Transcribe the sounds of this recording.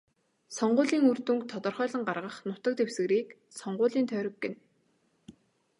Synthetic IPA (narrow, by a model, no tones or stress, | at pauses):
sɔɴɢʊːɮiːŋɵrt̪uŋkt̪ʰɔt̪ɞ̆rχœːɮə̆ŋɢarʁə̆χnʊt̪ə̆k̚t̪ʰewsɘ̆ɣɾiːk | sɔɴɢʊːɮiːnt̪ʰœːɾɪ̆kːĕn